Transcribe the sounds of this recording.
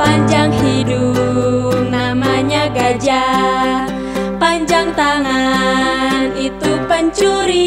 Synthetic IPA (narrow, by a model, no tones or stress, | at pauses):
paɲd͡ʒaŋɦidu | p̚namaɲaɡad͡ʒa | paɲd͡ʒaŋt̪aŋa | nit̪upəɲt͡ʃuɾi